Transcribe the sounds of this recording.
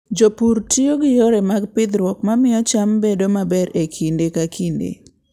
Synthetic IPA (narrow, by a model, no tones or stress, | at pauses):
d͡ʒopuɾtioɡɪjoɾemaɡpɪd̪ɾwɔkmamɪɔt͡ʃambedomabɛɾekʰindekakʰindḛ